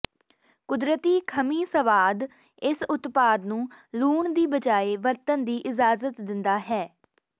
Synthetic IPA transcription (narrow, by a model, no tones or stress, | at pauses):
kʊd̪ɾət̪iːkʰəmiːsəʋaːd̪ | ɪsʊt̪paːd̪nũːluːɳd̪iːbəd͡ʒaːeːʋəɾt̪ənd̪iːʔɪd͡ʒaːzət̪d̪ɪnd̪aːɦɛː